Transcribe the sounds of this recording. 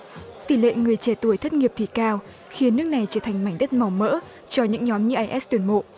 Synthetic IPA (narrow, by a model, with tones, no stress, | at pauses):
t̪i˧˩lḛ˧˨ŋɨ˨˩əjt͡ɕe˧˩t̪u˧˩əjt̪ʰə˦˥t̚ŋi˨əp̪̚ʰi˧˩kaː˧w | xi˨˦ənːɨ˦˥ək̚na˨˩jt͡ɕəː˧˩t̪ʰa˨˩ŋ̟ma˧˩jŋ̟ɗə˦˥t̚ma˨˩wmə̰ː˧˥ | t͡ɕɔ˧ɲɨ̰˧˥ŋɲɔ˨˦mɲɨ̰˧˥ʔaː˧˩jʔɛ˦˥st̪wənmo̰˧˨ʔ